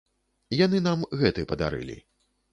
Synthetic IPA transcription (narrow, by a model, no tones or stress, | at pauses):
janɨnamɣɛt̪ɨpɐd̪a̰ɾɨ̰lʲḭ